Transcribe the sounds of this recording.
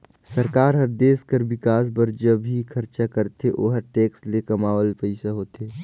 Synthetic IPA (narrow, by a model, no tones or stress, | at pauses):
sɐɾkaːɾɦɐɾd̪eːskəɾbɪkaːsbɐɾd͡ʒɐbikʰɐɾt͡ʃakɐɾt̪eʔo̰ːɦəʈeːkslekɐmaːʋəlpɛɪsaɦoːt̪eː